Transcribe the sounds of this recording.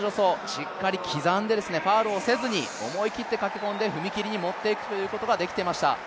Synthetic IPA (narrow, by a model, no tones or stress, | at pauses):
o̞so̞ɕikkːaɾʲikʲʰizãnd̪e̞d̪e̞sɨne̞paːɾɯose̞zɨɲ̟io̞̰mo̞ikʲit̪ːe̞kakʲi̥kõ̞nd̪e̞ɸɯ̟mʲikʲiɾʲiɲ̟imo̞t̪ːe̞ikɯ̟̥t̪o̞jɯ̟ːko̞t̪o̞ɡad̪e̞kʲi̥t̪e̞imaɕi̥t̪a̰